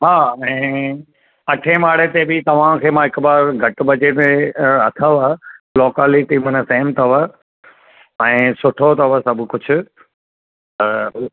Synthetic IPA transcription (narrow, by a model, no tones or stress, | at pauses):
ɦaːɛ̃ː | ɐʈʰemaːɽet̪ebɪt̪ɐʋ̤ãkʰeːmãːɦɪkbaːɾɡʱɐʈ̆bɐt͡ɕemẽɐt̪ʰəʋaloːkaːliʈiːmənəseɦɪmt̪ʰɐʋa | ɛ̃ːsʊʈʰot̪ɐʋasɐbʱkʊd͡ʑʱʊ̆ | t̪ɐ